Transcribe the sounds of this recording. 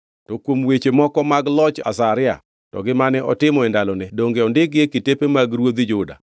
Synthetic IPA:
tɔkwomwet͡ʃemɔkɔmaɡlɔt͡ʃa̰saɾɪa̰ | tɔ̰ɡɪmanɛʔɔ̰tɪmɔɛndalɔnɛdoŋɡeɔndɪkekɪtepemaɡɾwod̪id͡ʒʊda̰

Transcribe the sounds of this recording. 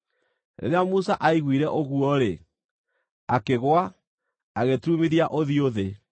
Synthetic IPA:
nḛɾeamusaʔaiɣwiɾɛʔoɣuɔɾe | akeɣwa | aɣetumiɾiaʔoðioðe

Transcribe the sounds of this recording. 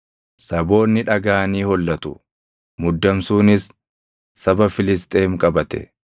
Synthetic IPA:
sɐbo̞ːnːɪᶑɐɡaːniːhɔlːɐt̪ʊ | mʊd̪ːɐmsuːnɪsː | ɐbɐfɪlɪs̬t̪ʼe̞ːmkʼɐbɐt̪ɛ̰

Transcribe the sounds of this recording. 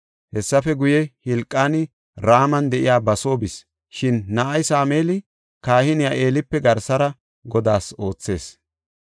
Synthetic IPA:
hɛsːɐfɛɡʊjɛhɪlkʼːaːnɪ | ɾaːmɐnd̪ɛʔɪjaːbɐso̞ːbɪs | ʃɪnːɐʔɐjsaːmeːlɪ | kaːhɪnɪjaːʔe̞ːlɪpːɛɡɐɾsɐɾɐ | ɡɔd̪aːso̞ːt͡sːe̞ːs

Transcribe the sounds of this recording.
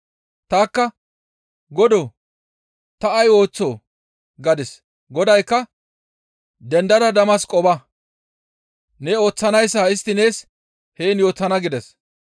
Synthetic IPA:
t̪aːkːɐ | ɡɔd̪o | t̪ɐːjo̞ːt͡sːo̰ː | ɡɐd̪ɪs | ɡɔd̪ɐjkːɐ | d̪ɛnd̪ɐd̪ɐd̪ɐmɐskʼɔbɐ | nɛo̞ːt͡sːɐnɐjsːɐɪst̪ːɪne̞ːs | heːnjo̞ːt͡sːɐnɐɡɪd̪ɛs

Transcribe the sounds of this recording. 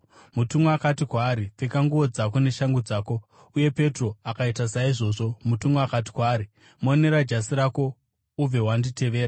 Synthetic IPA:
mutumoakatikwaːɾip͡fekaŋɡuʋo̞d͡zako̞ne̞ʃaŋɡud͡zaːko̞ | uje̞pe̞tro̞akaitasaiʐo̞ːʐo̞mutumoakat̬i̥kwaːɾi | moneɾad͡ʒasiɾako̞ | ub͡ve̞wandite̞ʋe̞ːɾa

